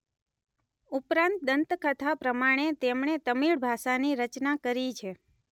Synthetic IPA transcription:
upɾãnt̪̚d̪ənt̪kət̪ʰapɾəmaɽ̃et̪emɳet̪əmiɭbʱaʃaniɾət͡ʃnakəɾit͡ʃʰe

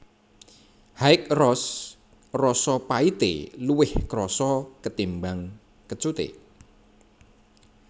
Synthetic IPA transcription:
haɪk̚rɔs | rɔsɔpait̪ḛluwɪhkɾɔsɔkət̪imbaŋ | kət͡ʃut̪ḛ

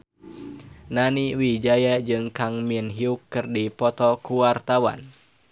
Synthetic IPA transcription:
naniwid͡ʒajad͡ʒɨŋkaŋminɦiukːɨrdipɔt̪ɔkuwart̪awa̰n

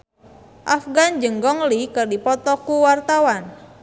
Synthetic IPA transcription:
ʔafɡand͡ʒəŋɡɔŋlikɨrdipɔt̪ɔkuwart̪awan

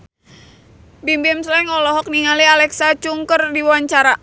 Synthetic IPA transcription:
bimbɛmslɛŋɔlɔɦɔk̚niŋalialɛksat͡ʃuŋkərdiwaɲt͡ʃaɾa

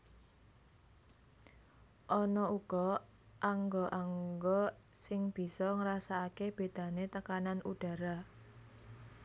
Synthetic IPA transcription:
ʔɔnɔuɡ̥ɔ | ʔaŋɡɔʔaŋɡɔ | sɪŋb̥i̤sɔŋɾasaakeb̥e̤d̪̥ä̤net̪əkananuɖ̥ä̤ɾa

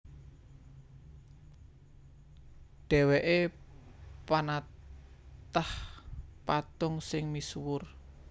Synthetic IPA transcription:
ɖ̥ɛ̤weʔe | pana | t̪ahpat̪ʊŋsɪŋmiswʊr

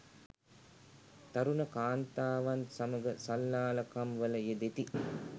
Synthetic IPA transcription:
t̪ɐɾunəkaːnt̪aːʋansaməɡəsɐlːaːlɐkamʋələjed̪et̪i

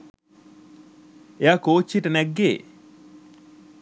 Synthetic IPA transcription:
eaːkoːt͡ʃːiʈənɛɡːeː

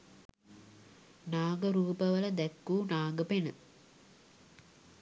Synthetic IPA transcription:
naːɡɐɾuːpɐʋɐlɐd̪ɛkːuːnaːɡɐpenə

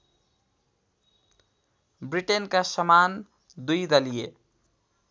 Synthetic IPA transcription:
bɾiʈenkasʌman | d̪ujd̪ʌlije

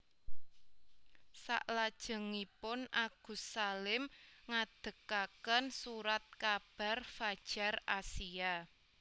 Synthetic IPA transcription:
sa̰ʔlad̥ʒ̥ə̤ŋipʊnʔaɡ̥ṳsalɪmŋad̪̥ə̤kakənsuɾat̪̚kab̥a̤rfad̥ʒ̥a̤rasia

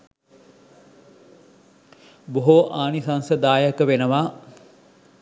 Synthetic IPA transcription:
boɦoʔaːnisansəd̪aːjəkəʋenəʋa

